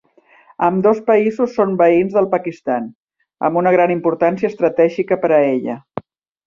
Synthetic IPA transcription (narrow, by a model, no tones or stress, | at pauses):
əmd̪ɔspəizusːombəinzðəlˠpəkist̪an | ə̰mbunəɣ̞ɾanimpuɾt̪ansiəːst̪ɾət̪ɛʒikəpəɾəeʎə̰